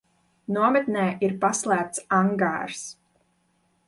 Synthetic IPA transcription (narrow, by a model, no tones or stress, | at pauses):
nuɔmɛt̪nɛːʔiɾpaslˠæːp̚t̪saŋɡa̰ːɾs